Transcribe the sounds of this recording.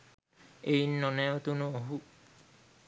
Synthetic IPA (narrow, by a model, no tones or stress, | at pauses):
ejnːɔneot̪unooɦu